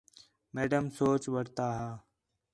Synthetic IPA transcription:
meːɖəmsoːt͡ʃʋəɽt̪aːɦaː

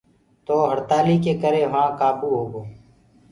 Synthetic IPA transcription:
t̪oːɦəɽt̪aːlikeːkəɾeːʋãːkaːpuːɦoːɡoː

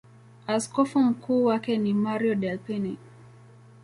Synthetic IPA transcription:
askɔfɔm̩kʰuːwakɛnimaɾiɔɗɛlpɛni

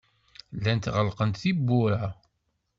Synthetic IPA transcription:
lːænt̪ʁəlqənt̪θibːʊɾa

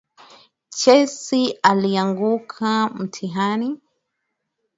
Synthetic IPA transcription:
t͡ʃɛsialiaŋɡukʰam̩tʰiɦani

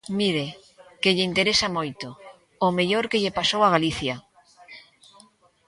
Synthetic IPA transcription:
miɾe | keʎɪint̪eɾesamojt̪oː | meʎoɾkeʎepasowaɣaliθja

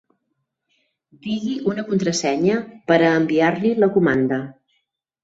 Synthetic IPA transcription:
d̪iɣiʔunəkunt̪ɾəsɛɲəpəɾəːmbiaɾliləkumand̪ə

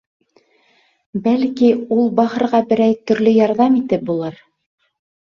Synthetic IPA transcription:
bælkiulˠbɑhɤ̆ɾʁɑbɘ̆ɾæjt̪ɵ̆ɾlɵjɑɾðɑmit̪ɘp̚bulˠɤɾ

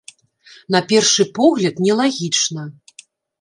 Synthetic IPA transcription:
nɐpʲɛrʂɨpɔɣlʲɐt̪nʲɛlˠaɣʲit͡ʂnɐ

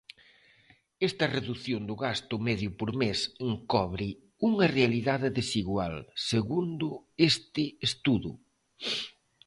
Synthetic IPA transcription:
ɛst̪ɐreðuθjond̪ʊɣast̪ʊmɛðjʊpoɾmeseŋkɔβɾɪ | uŋɐrealiðaðɪðesiɣwalseɣund̪ʊest̪ɪest̪uðʊ̰

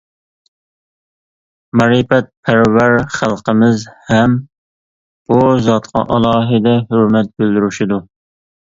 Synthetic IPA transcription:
mɑɾipɛt̪̚pʰæɾvæɾχælˠqəmɪzhɛm | b̥uzɑt̪qʰɑ̰ʔɑlˠɑːɦɨd̪ɛɦøɾmɛt̪̚bøld̪yɾyʃid̪u

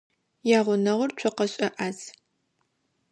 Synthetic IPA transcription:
jaːʁʷʊnɐʁʊrt͡ʃʷʰɔqɐɕʼɐʔaːz

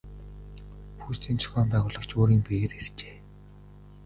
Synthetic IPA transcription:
pʰuːst̪iːnt͡sʰɵ̥xʲɔːmpæːʁʊːɮə̆kt͡ɕʰoːɾiːmpeːeɾer̥t͡ɕe̥ː

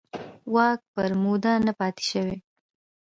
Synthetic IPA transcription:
wɑk̚pəɾmud̪anapɑt̪e̥ʃəwe

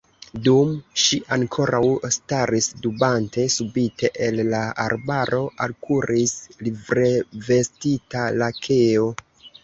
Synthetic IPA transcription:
dumʃiʔaŋkʰo̞ɾawstaɾisdubante̞subitʰe̞ʔelːaaɾbaɾo̞ʔalkʰuɾʔislivɾe̞ve̞stitalakʰe̞o̞

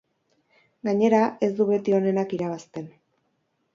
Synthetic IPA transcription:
ɡaɲe̞ɾae̞zd̪uβe̞t̪io̞ne̞nakiɾaβ̞ast̪e̞n

